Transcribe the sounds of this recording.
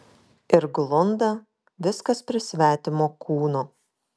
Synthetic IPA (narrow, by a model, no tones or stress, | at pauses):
ɪɾɡlˠʊnd̪ɐ | ʋʲɪskɐspʲɾʲɪsʲʋʲæːt̪ʲɪmoːkuːnoː